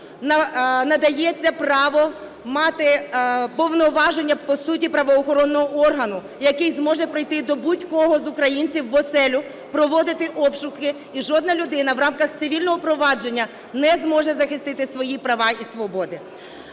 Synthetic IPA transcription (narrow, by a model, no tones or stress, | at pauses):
nɐnɐd̪ɐjɛt͡sʲːɐpɾɑʋɔ | mɑt̪ɪpɔwnɔʋɑʒenʲːɐpɔsutʲipɾɐʋɔːxɔɾɔnːɔɦɔʔɔrɦɐnʊ | jɐkɪjzmɔʒɛpɾɪjt̪ɪd̪ɔbutʲkɔɦɔzʊkɾɐjinʲt͡sʲiwːɔsɛlʲʊ | pɾɔʋɔd̪ɪt̪ɪʔɔpʃʊxɪ | iʒɔd̪nɐlʲʊd̪ɪnɐwɾɑmkɐxt̪sɪʋʲilʲnɔɦɔpɾɔʋɑd͡ʒe̞nʲːɐ | nɛzmɔʒɛzɐxɪst̪ɪt̪ɪsʋɔjipɾɐʋɑisʋɔbɔd̪ɪ